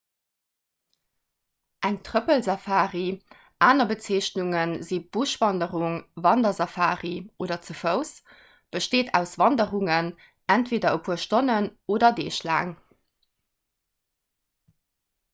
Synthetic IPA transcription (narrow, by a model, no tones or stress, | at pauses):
ʔæŋtʁəpəlzɑfaːʁi | ʔaːnɐbət͡seːɕnuŋənzib̥uʃvɑndəʁuŋvɑndɐzɑfaːʁioːdɐt͡səfəʊs | b̥əʃteːtʰæ̰ʊsvɑndəʁuŋən | æntv̥eːdɐəpʰuːɐʃtonənoːdɐdḛːʃla̰ːŋ